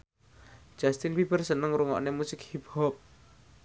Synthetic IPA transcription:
d̥ʒ̥ast̪inbibərsənəŋɾuŋɔ̰ʔnemusɪkhibhɔp̚

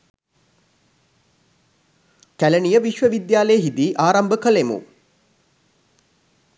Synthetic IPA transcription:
kæləɳijəʋiʃʋəʋid̪jaːləjəɦid̪iʔaːɾɐmbəkəlemṵ

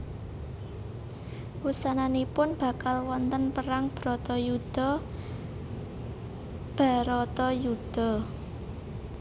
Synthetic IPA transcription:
wusananipʊnb̥a̤kalwɔnt̪ənpəɾaŋb̥ɾɔt̪ɔjud̪̥ɔ | b̥a̤ɾɔt̪ɔjud̪̥ɔ̤

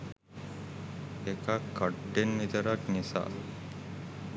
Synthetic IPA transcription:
ekakːəɖːenʋit̪əɾaknisa̰

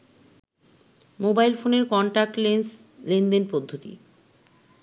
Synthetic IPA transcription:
mobajlfoneɾkɔɳʈak̚ʈlens | lend̪enpod̪ʱːot̪ḭ

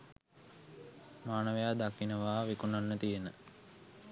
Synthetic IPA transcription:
maːnəʋejaːd̪akinəʋaːʋikunanːət̪ijenə

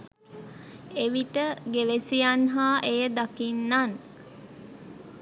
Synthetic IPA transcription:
eʋiʈəɡeʋesijanɦaːʔejəd̪akinːan

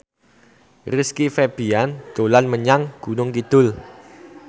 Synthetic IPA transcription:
riskifɛb̥iand̪̥olanməɲaŋɡ̥ṳnʊŋkid̪̥ʊ̤l

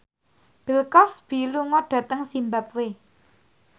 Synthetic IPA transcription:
b̥ə̤lkɔsb̥i̤luŋɔɖ̥ä̤t̪əŋsimbap̚we

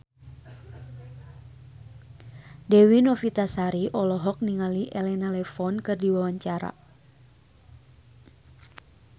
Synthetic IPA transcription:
dɛwinɔfit̪asaɾiʔɔlɔɦɔk̚niŋaliʔɛlɛnalɛfɔnkɨrdiwawaɲt͡ʃaɾa̰

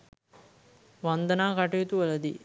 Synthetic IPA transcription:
ʋand̪ənaːkaʈijit̪uʋələd̪ḭ

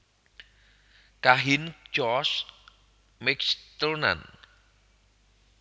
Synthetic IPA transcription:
kaɦind͡ʒɔs | mɪkst̪əlna̰n

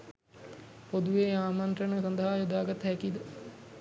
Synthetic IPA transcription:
pod̪uʋeːaːmant̪ɾənəsɐnd̪əɦajud̪aːɡat̪ɦɛkid̪ə

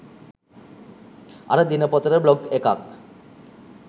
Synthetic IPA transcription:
a̰ɾed̪inapɔt̪ɾeɾblɔɡekak

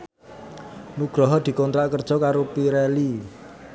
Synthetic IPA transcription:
nuɡ̥ɾɔɦɔd̪̥i̤kɔnt̪ɾaʔkərd̥ʒ̥ɔ̤kaɾopiɾɛli

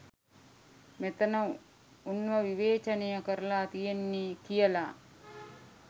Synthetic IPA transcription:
met̪ənə | unʋəʋiʋeːt͡ʃənejəkəɾəlaːt̪ijenːikijəla

